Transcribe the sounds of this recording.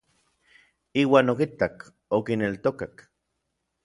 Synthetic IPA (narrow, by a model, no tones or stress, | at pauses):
iːwaːnok̬it̪ak | okinelt̪okak